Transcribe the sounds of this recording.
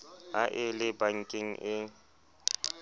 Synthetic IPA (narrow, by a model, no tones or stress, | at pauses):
aʔɪlɪbaŋ̩kʼɪŋ̩ʔɪ